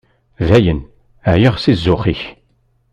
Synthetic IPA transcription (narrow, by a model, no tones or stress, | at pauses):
væjən | æjəʁsizːʊχiç